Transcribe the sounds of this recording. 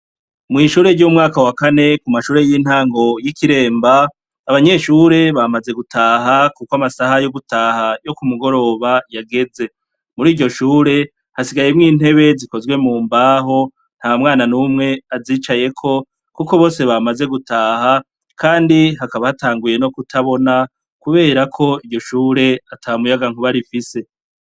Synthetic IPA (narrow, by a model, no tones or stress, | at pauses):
mŋiːʃuːɾe̞ɾɟomŋaːkawakane̞kumaʃuːɾe̞jin̥haːŋɡo̞jikiɾe̞ːmbaː | βaɲe̞ʃuːɾe̞βamaze̞ɡutʰaːɦakukwamasahajoɡutaːhajo̞kumuɡo̞ɾo̞ːβajaɡe̞ze̞ | muɾiːɾɟo̞ʃuːɾe̞ | hasiɡajemŋiːn̥he̞βe̞ziko̞zɡwe̞muːmbaːɦo̞ | n̥haːmŋaːnanumŋe̞aziːt͡ʃaje̞kʰo̞ | kuko̞βo̞ːse̞βamaze̞ɡutaːha | kʰaːndiɦakaβahataːŋɡuje̞no̞kutʰaβo̞na | kuβe̞ːɾakʰo̞iɾɟo̞ʃuːɾe̞atʰamujaɡaŋ̥uβaɾifise̞